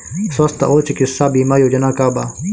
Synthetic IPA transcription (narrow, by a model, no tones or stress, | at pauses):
swɐst̪a̰ʔoːt͡ɕɐkisːaːbiːmaːjoːd͡ʑɐnaːkaːbaː